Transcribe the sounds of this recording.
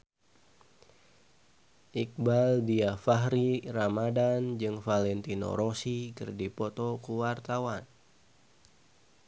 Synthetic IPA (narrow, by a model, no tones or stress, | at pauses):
ʔik̚baldiafaɦɾiramadand͡ʒɨŋfalɛnt̪ino̰ɾosikɨ̰rdipɔt̪ɔkuwart̪awan